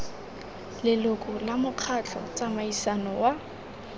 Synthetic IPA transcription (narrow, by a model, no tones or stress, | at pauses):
lɪlʊkʼʊlamʊq͡χʰat͡ɬʰɔ̰t͡samaisanɔwa